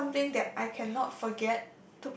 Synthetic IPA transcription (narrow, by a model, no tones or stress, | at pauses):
ãmθɪ̃ŋdɛt̚ʔajkʰɛ̃nːɔt̚fɔɡɛt | tːup